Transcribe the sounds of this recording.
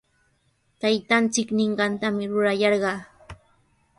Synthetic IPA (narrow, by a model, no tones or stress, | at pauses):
t̪ajt̪ant͡sɪknɪɴɢɑnt̪amɪɾʊɾajɑɾɢɑː